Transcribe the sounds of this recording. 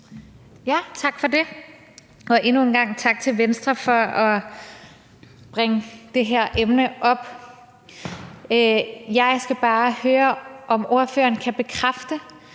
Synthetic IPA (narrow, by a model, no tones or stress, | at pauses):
jæt͡sʰɑ̈ɡ̥fɒ̽de̝ | ʔɒ̽ʔe̝nuenɡ̥ɑ̈ŋ̰t͡sʰɑ̈ɡ̥̚t͡sʰe̝lʋensd̥ʁɐfɒɒ̽ | b̥ʁaŋəd̥e̝ɦeɐ̰ʔemnəʔɒ̽b̥ | jɑ̈ɪsɡ̥æb̥ɑ̈ːhøːɐʔɒ̽mo̝ɐfø̰ːɐnkʰæb̥e̝kʰʁafd̥ə